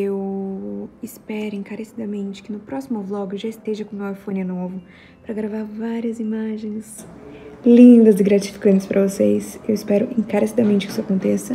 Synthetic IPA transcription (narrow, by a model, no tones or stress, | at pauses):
ew | ɪspɛɾʊẽŋkaɾesid̪ɐmẽnt͡ʃɪ̥kɪnʊpɾɔsimʊvlɔɡʊʒaɪst̪eʒɐkõmewajfõnɪnovʊ | pɾɐɡɾavaɾvaɾiɐzimaʒẽj̃s | lĩd̪ɐzɪɡɾat͡ʃi̥fi̥kɐ̃nt͡ʃɪspɾʔɐvosejsewɪspɛɾʊʔẽkaɾesid̪ɐmẽnt͡ʃɪkɪisʊakõnt̪esɐ